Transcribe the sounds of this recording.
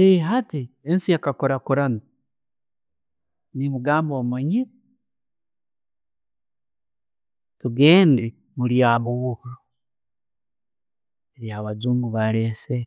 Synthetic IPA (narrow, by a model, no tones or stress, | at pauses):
eɦatiensijakakoɾakuɾana | nimuɡaːmbomoɲe | tuɡeːnde | muɾjaːβuuka | eɾjaːβad͡ʒuːŋɡuβaɾese